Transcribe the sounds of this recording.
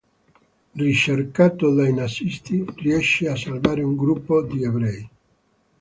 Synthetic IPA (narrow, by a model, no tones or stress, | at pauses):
rit͡ʃerkaːt̪od̪ajnasist̪iriɛʃːeasːalvaːɾeuŋɡɾupːod̪iebɾɛj